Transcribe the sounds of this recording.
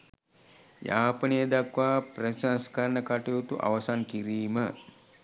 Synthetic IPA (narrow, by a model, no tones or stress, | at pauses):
jaːpənejəd̪akʋaːprəsanskaɾnəkaʈejut̪uʔa̰ʋəsankiɾiːmə